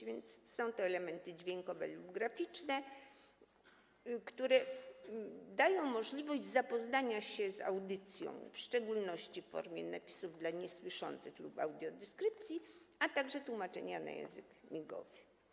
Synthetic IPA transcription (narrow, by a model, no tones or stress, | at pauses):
vʲjɛnt̪ssɔ̃w̃t̪ɔɛlɛmɛnt̪ɘd͡ʑvʲjeŋkɔvɛ̰lubɡɾafʲit͡ʂnɛ | kt̪uɾɛ | d̪ajɔ̃w̃mɔʐlʲivɔʑd͡ʑzapɔznaɲaɕɛza̰wd̪ɘt̪sʲjɔ̰̃w̃fʂt͡ʂɛɡulnɔɕt͡ɕiffɔ̰ɾmʲjɛ̰napʲi̥suvd̪laɲɛswɘʂɔ̰nt̪sɘxlupawd̪ʲjɔd̪ɛskɾɘp̚t̪sʲjiat̪aɡʐɛt̪wumat͡ʂɛ̰ɲana̰jɛ̰̃w̃zɨkmʲiɡɔ̰vɘ̥